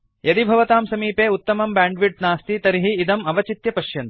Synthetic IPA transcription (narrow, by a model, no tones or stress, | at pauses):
jɐd̪ibʱɐʋɐt̪aːmsɐmiːpeːut̪ːɐmɐmbaːɳɖʋiʈ̚naːst̪it̪ɐɾiɦiːd̪ɐmɐʋɐt͡ʃit̪jɐpɐʃjɐnt̪